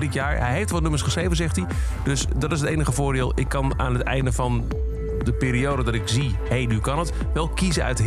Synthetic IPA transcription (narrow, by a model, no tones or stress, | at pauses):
dɪtjaːɹɦɛ̰jɦeftʋɑtnɵməsχəsχrejvənzɛχti | d̥ɵsdɑtɪs̬ɦətejnəχəvʊːɹdɪːlˠɪkːɑna̰ːnɦətɛ̰jndəvɑn | dəpɪːɾiowdədɑtɪkz̥i | ɦejnykɑnət | ʋɛlˠkizəœ̰tɦ